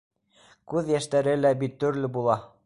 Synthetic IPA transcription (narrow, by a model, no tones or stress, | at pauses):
kʉðjæʃt̪æɾɘlæbit̪ːɵ̆ɾlɘbulˠɑ